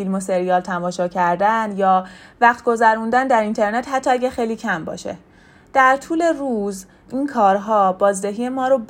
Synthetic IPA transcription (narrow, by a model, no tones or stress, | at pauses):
ilmose̞ɾijɒːlt̪ʰæmɒːʃɒːcʰæɾd̪ænjɒːvæχt̪̚ɡo̞zæɾund̪ænd̪æɾint̪ʰe̞ɾnet̪ɦæt̪ʰːɒːæɟʲæxejliːcʰæmbɒ̰ːʃḛ | d̪̥æɾt̪ʰuːle̞ɾuːz | ʔiːnkʰɒːɾɦɒːbɒːzd̪eɦiːjemɒːɾob